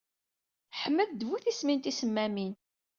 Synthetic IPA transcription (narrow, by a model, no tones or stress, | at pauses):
ħəmːəðd̪vuθismint̪isəmːæmin